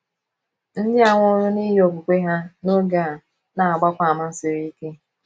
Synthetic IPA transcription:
n̩˦dɪ˦a˨ŋʷɔ˦ɾʊ˦ni˦jo˨ku˨kʷe˦ɦa˦no˦ɡa˨ | na˨a˨ɡ͡ba˦kʷa˨a˨ma˦n̩˦sɪ˨ɾi˦i˦ke˦

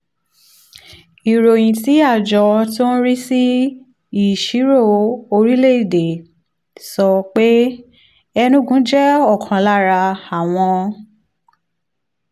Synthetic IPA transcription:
i˨ɾo˨j̃ĩ˨ti˨˦a˦˨d͡ʒɔ˧tõ˦ɾi˦si˦ | i˦˨ʃi˨˦ɾo˦˨˦o˧ɾi˦le˦˨i˦˨de˨ | sɔ˧k͡pe˦ | ɛ˧nũ˦ɡũ˨˦d͡ʒɛ˦ɔ˦˨kʰɔ̃˨la˦˨ɾa˧a˨w̃ɔ̃˧

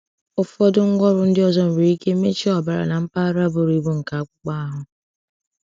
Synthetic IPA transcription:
ʊ˨fɔ˦dʊ˦ŋ̩˦ɡʷɔ˦ɾʊ˨n̩˦dɪ˦ɔ˦˨zɔ˦m̩˨ɾi˨i˦ke˦me˦t͡ʃi˦ɔ˨ba˨ɾa̰˨na˨m̩˦pa˦ɾa˦bʊ˦ɾi˨bu˦ŋ̩˨ka˨a˦kʷʊ˦k͡pa˦a˦ɦʊ˦

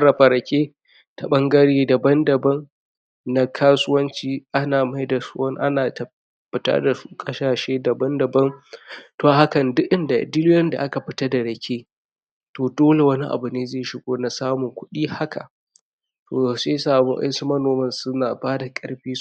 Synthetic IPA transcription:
ɾɐ˨ɸɐ˨ɾɐ˨kʲeː˦ | ta˨ɓɐ˦ŋɡɐ˦ɽiː˦dɐ˨bɐ˦ndɐ˨bɐ˦nː | a˦kʰaː˦sʊ˦wɐ˦nt͡ʃiː˦ʔa˦naː˨ma˦jda˨sʊ̰˦ɐ˦ŋʔa̰˦naː˨tɐ˨ | ba˨ta̰˦da˨˦kʼɐ˦ʃaː˨ʃeː˦dɐ˨bɐ˦ndɐ˨bɐ˦ntoː˨ha˦kɐ˨ndʊ˦ʔʔɪ˦nda˨dɪ˦lɪ˦jɐ˦nda̰˨ʔa˦ka˨ɸɪ˦ta˦da˨ɽɐ˨kʲeː˦ | toː˨doː˦le˨wɐ˦ni˦ʔa̰˨bʊ˨neː˦zeː˦˨ʃɪ˨ɡʷoː˦na˨saː˦mʊ˨ŋkʷʊ˦ɗiː˦ha˦ka̰˨ | tʰoː˨seː˦saː˨mṵ˦ʔɐ̰˦su˦mɐ˦noː˨mɐ˦nsʊ˦naː˨baː˦da˨kʼɐ˦ɽɸiː˦s

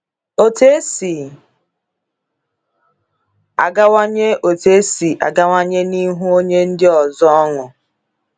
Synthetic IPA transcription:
o˨te˦si˨ | a̰˨ɡa˦wa˦ɲe˦ʔo˨te˦si˨ʔa̰˨ɡa˦wa˦ɲe˦ni˦ɦu˦o˦ɲe˦n̩˦dɪ˦ɔ˨zɔ˦ɔ˦ŋʊ˨

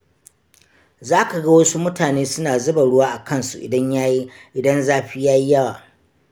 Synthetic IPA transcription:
zaː˦ka˨ɡɐ˦wɐ˦su˦mʊ˦taː˨neː˦sʊ˦naː˨zʊ˦ba˨ɽʊ˦waː˦ʔa˨kɐ˦nsṵ˨ʔɪ̰˨dɐ˦ɲjaː˦ji˦ʔɪ˨dɐ˦nzaː˦ɸiː˦jaː˦ji˦jɐ˦waː˨

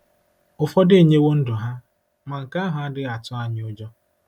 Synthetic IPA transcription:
ʊ˨fɔ˦de˦e˨ɲe˦wo˦n̩˦dʊ˨ɦa˦ | ma˨ŋ̩˨ka˦ɦʊ˨a˦dɪ˦a˨tʊ˦a˦ɲɪ˦ʊ˦d͡ʒɔ˦

